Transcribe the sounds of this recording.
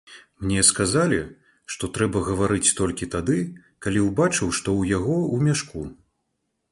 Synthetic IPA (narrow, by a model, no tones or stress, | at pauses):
mnʲɛskazalʲi | ʂt̪ɔt̪ɾɛbɐɣɐvaɾɨt͡sʲt̪ɔlʲkʲit̪ad̪ɨ | kalʲiwbat͡ʂɨwʂt̪ɔwjaɣɔumʲaʂku